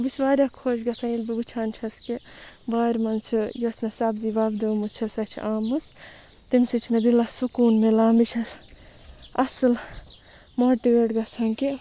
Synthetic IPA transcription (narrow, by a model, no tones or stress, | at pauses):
bisʋaːɾʲɐkʰoːd͡ʒɡɐt̪ʰɐilbiɡut͡ʃʰaːnt͡ʃʰɐski | baːɾʲmɐnt͡sʰɨjosmesɐbziʋaːbd̪oːmut͡ʃʰɐsɐt͡ʃʰʔaːmɐs | t̪imsit͡ʃʰmed̪ilɐsukuːnmelaːmbit͡ʃʰɐs | ɐsɨl | moʈiɡeːʈɡɐsʰɐŋki